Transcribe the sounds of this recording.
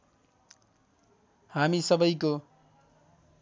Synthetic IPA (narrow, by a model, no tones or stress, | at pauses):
hamisʌbʌjko